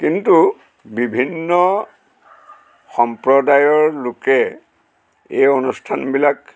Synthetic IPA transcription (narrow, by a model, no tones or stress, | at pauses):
kintu | bibʱinːɔ | xɔmpɹɔdajɔɹlokɛ | ejonustʰanbilak